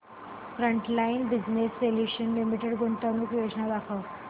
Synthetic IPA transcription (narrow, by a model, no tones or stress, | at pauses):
fɾəɳʈlainbid͡ʑnesːeljuɕənlimiʈeɽɡoɳʈ̪ənuːkʋeʂnad̪akʰə